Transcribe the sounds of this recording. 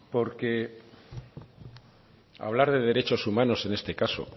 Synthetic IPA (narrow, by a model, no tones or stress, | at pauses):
po̞ɾke̞ | a̰β̞laɾðe̞ð̞e̞ɾe̞t͡ʃo̞sumãno̞se̞ne̞st̪e̞kaso̞̰